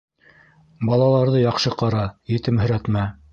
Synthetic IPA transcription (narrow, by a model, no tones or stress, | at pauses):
bɑlˠɑlˠɑɾðɤjɑqʃɤqɑɾɑjɘ̆t̪ɘmɦɵ̆ɾæt̪mæ